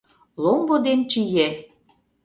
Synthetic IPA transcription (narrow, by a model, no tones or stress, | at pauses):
lombod̪ent͡ɕije